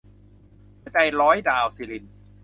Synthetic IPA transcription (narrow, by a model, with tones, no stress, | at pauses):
t͡ɕa˧jlɔː˦˥jdaː˧wsi˧˩li˧˩n